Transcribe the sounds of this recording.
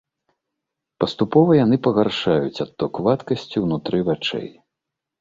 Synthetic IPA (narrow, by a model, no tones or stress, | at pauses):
pɐst̪upɔvɐjan̪ɨpɐɣarʂajut͡sʲat̪ːɔkvat̪kɐsʲt͡sʲiwnut̪ɾɨvat͡ʂɛ̰j